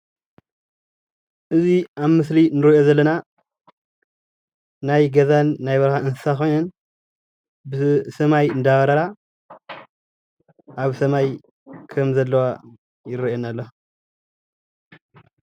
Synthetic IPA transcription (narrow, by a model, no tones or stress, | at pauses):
ʔɨziʔaβmɨslinɨɾɐjo̞zɐlːɐna | najɡɐzanːajβɐɾxaɨnsɨ̥saxo̞jnɐn | bɨsɐmajɨnd̪aɣɐɾɐɾa | ʔaβsɐmaj | kʰɐmzɐlːɐwa | jɪɾɨʔonalːo